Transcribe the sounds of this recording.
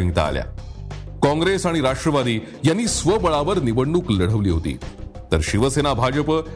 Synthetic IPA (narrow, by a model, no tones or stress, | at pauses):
iŋɡt̪a̰ːlja̰kɔ̃ŋɡɾesaɽ̃iɾaʂʈɾəʋad̪iːjanːiːsʋəbəɭaʋəɾniʋəɳːuːkləɽ̤əʋliːɦot̪ḭːt̪əɾɕiʋəsenabʱad͡ʑəp